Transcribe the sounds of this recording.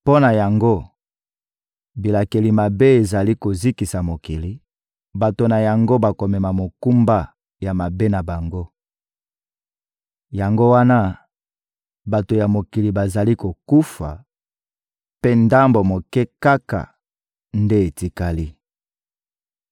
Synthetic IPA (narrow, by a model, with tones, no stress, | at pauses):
po˦na˨ja˨ŋɡo˦ | bi˨la˨ke˨li˨ma˨be˦e˨za˨li˦ko˨zi˦ki˨sa˨mo˨ki˨li˦ | ba˨to˨na˨ja˨ŋɡo˦ba˨ko˨mɛ˨ma˨mo˨ku˦mba˦ | ja˨ma˨be˦na˨ba˨ŋɡo˦ | ja˨ŋɡo˦wa˦na˦ | ba˨to˨ja˨mo˨ki˨li˨ba˨za˨li˦ko˨ku˦fa̰˨ | pe˦nda˦mbo˨mo˨kɛ˦ka˦ka̰˨ | nde˦e˨ti˨ka˦li˦